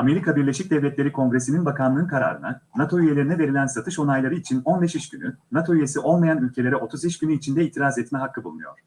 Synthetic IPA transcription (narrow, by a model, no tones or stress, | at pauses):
ame̞ɾikʰabiɾlʲe̞ʃic̚d̪ɛvlʲɛt̪lʲe̞ɾikʰo̞ŋɡɾe̞sininbakʰanlˠɯːnkʰaɾa̰ːɾɯ̰na̰nat̪ʰo̞yje̞lʲe̞ɾinɛve̞ɾilʲænsat̪ʰɯʃo̞najlˠaɾɯit͡ʃʰino̞nbeʃiʃɟynynat̪ʰo̞yje̞siʔo̞lˠmajanylʲcʰelʲe̞ɾɛo̞t̪ʰuziʃɟynyit͡ʃʰind̪ɛiːt̪ʰiɾazɛt̪mɛɦakʰːɯbulˠunujo̞̰ɾ̥